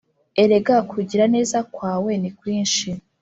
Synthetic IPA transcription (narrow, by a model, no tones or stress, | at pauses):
e̞ɾe̞ɡakʰuɟiɾane̞ːzakwaːweːnekwiːnʃi